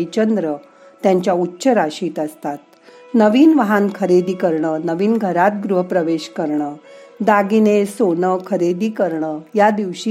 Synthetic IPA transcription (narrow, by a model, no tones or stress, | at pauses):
jt͡ɕənd̪ɾə | t̪jãɲt͡ɕjautːɕəɾaɕiːt̪əst̪at̪̚ | nəʋiːnʋəɦankʰəɾed̪iːkəɾɳəːnəʋiːnɡʱəɾat̪̚ɡɾuɦəpɾəʋeɕkəɾɳəː | d̪aɡinesoɳəkʰəɾed̪iːkəɾɳəjad̪iʋɕi